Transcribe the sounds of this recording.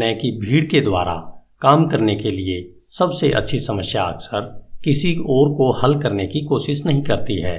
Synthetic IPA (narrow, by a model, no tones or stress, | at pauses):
nɛ̃ːkibʱiːɽked̪wa̰ːɾa̰kaːmkɐɾnekelie | sɐbseʔɐ̰tːʃʰisɐməsjaɐ̰ksəɾkɪsiɔːɾkohɐlkɐɾnekikoːʃɪʃnɐɦĩkɐɾt̪iɦɛ̰ː